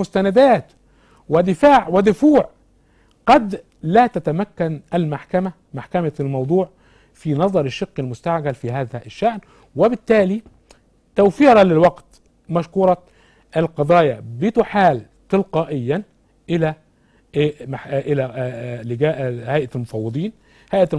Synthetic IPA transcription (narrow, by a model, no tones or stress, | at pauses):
mʊst̪ænæd̪æːt̪ | wɪd̪ɪfaːʕwɪd̪ʊfuːʕ | ɡ̥ɑd̪ | læːt̪æt̪æmækːænʔælmaħkæmæ | maħkæmalmɑwd̪ˤuːʕ | finɑðˤɑɾˤɪʃːɪqːɪlmʊst̪aʕɡælfiɦaːðæʔɪʃːaʔn | wɪbɪt̪ːæːli | t̪æwfiːɾɑlɪlwɑɡt̪ | mæʃkuːɾˤɑ | ʔɪlqɑd̪ˤɑːjɑbɪt̪ʊħaːl | t̪ˤɨlqɑːʔɪjːæ | ʔɪlæ | maʔɪlælɪɡæːʔhæjʔælmʊfɑwːɨd̪ˤiːn | hajʔæ